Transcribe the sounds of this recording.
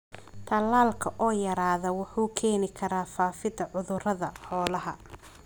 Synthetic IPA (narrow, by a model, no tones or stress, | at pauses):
t̪ʰɐlːaːlkʰɐʔɔːjɐɾaːðɐwɑħuːkʰɛːnɪkʰɐɾaːfaːfɪd̪ɐʕʊðʊrɐðɐħɔːlɐɦɐ